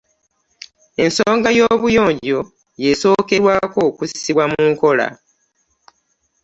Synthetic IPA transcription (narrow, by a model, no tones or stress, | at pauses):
e̞nsoːŋɡajo̞βujo̞ːɲɟo̞ | je̞so̞ːke̞ɾwaːko̞ːkusi̥siβwamuŋko̞la̰